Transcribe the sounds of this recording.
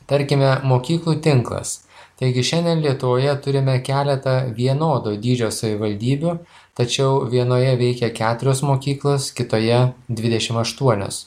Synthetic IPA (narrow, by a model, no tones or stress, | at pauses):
t̪ɐɾʲkʲɪmʲɛmoːkʲiːklˠuːt̪ʲɪŋklˠɐ̰st̪ɐɪɡʲɪʃʲɛnʲd̪ʲɛnlʲiɛt̪ʊʋoːjɛt̪ʊɾʲɪmʲɛkʲæːlʲɛt̪ɐʋʲiɛnoːd̪oːd̪ʲiːd͡ʒʲoːsɐʋʲɪʋɐlʲd̪ʲiːbʲu | t̪ɐt͡ʃʲɛʊʋʲiɛnoːjɛʋʲɛɪkʲɛkʲæːt̪ʊɾʲoːsmoːkʲiːklˠoːskʲɪt̪oːjɛd̪ʲʋʲɪd̪ʲɛʃʲɪmɐʃt̪uɔnʲo̰ːs